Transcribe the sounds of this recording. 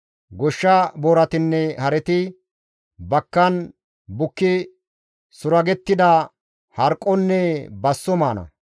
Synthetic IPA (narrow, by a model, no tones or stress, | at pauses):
ɡɔʃːɐboːɾɐt̪ɪnːɛhɐɾɛt̪ɪ | bɐkːɐn | bʊkːɪ | sʊɾɐɡɛt̪ːɪd̪ɐ | hɐɾkʼːɔnːɛbɐsːɔmaːnɐ̰